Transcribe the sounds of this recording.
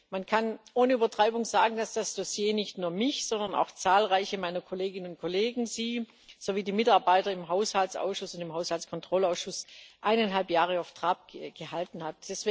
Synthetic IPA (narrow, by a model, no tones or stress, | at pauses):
mankʰanʔoːnəyːbɐtʁ̥aɪbʊŋzaːɡŋ̩d̥asd̥asd̥osjeːnɪçtnuːɐmɪçz̥ɔndɐna̰ʊxt͡saːlʁaɪçəmaɪnɐkʰoleːɡɪnənʊnt̚kʰoleːɡŋ̩ziː | z̥oviːdiːmɪtaɐbaɪtɐɪmɦaʊshaltsʔa̰ʊsʃʊsʊntɪmɦaʊshalskʰɔntʁ̥ɔlaʊsʃʊsʔaɪnanɦalpjaːʁ̞əaʊftʁ̥aːp̚ɡ̥əhaltn̩hat̚d̥ɛsv̥ː